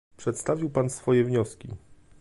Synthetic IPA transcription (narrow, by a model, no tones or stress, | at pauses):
pʂɛt̪st̪avʲiwpansfɔjɛvɲɔskʲḭ